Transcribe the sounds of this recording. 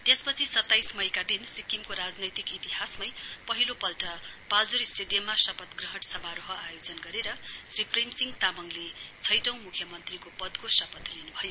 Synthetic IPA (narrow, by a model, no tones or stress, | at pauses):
t̪espʌt͡sʰisʌt̪ːajsmʌjkad̪insikːimkoɾad͡znʌjt̪ikit̪iɦasmʌjpʌɦilopʌlʈʌpald͡zoɾisʈeɖijʌmːasʌpʌt̪ɡrʌɦʌʈsʌmaɾoɦʌajod͡zʌnɡʌɾeɾʌsriprimsiŋt̪abʌŋlet͡sʰʌjʈʌ̃w̃mukʰjʌmʌnt̪rikopʌd̪kosʌpʌt̪linubʱʌjo